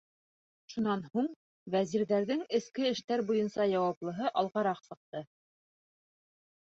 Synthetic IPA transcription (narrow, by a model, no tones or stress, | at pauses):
ʃunɑnhuɴ | væziɾðæɾðɘŋɘ̆skɘɘ̆ʃt̪æɾbujɤnsɑjɑwɑplˠɤ̆ɦɤʔɑlˠʁɑɾɑqsɤ̆q̚t̪ɤ